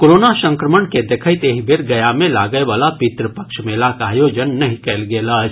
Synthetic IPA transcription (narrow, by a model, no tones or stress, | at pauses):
koɾonasə̃ŋkɾəməɳked̪ekʰəɪt̪eɦibʱeɾɡəjamelaɡəeʋalapit̪ɾəpəkʃmelakaɦjod͡ʒənːəɦĩkɛlɡelat͡ʃʰ